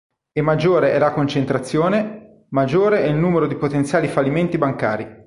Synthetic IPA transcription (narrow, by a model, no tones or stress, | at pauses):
emːad͡ʒːoːɾeʔɛlakont͡ʃent̪ɾat̪sːjoːne | mad͡ʒːoːɾeɛilnuːmeɾod̪ipot̪ent̪sjaːlifalːiment̪ibaŋkaːɾi